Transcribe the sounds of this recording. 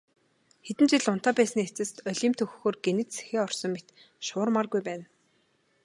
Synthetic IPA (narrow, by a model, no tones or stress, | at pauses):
xet̪ɘ̆nt͡ɕɪɮʊn̥t̪aːpæːsniet͡sɘ̆st̪œɮʲiːmt̪ʰɵxxoːrɡenɘ̆t̪se̥xeːɔrsɞ̆ŋmet̪ | ʃʊːrmarɡujpæːn